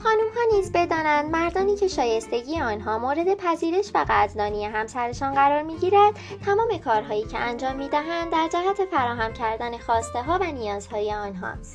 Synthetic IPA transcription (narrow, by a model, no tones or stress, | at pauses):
χɒːnumhɒːniːzbe̞d̪ɒːnænd̪mæɾd̪ɒːniːcʰe̞ʃɒːje̞st̪e̞ɟiːjeɒːnɦɒːmoːɾe̞d̪e̞pʰæziːɾe̞ʃvæɣæzd̪ɒːnije̞ɦæmsæɾe̞ʃɒːnɢæɾɒːɾmiːɟiːɾæd̪̥̚t̪ʰæmɒːme̞kʰɒːɾɦɒːjiːcʰe̞̰ʔænd͡ʒɒːmːiːd̪æɦænd̪dːæɾd͡ʒæɦæt̪ʰe̞fæɾɒːɦæmcʰæɾd̪æne̞xɒːst̪e̞ɦɒːvænijɒːz̥hɒːjeɒːnɦɒ̰ːst̪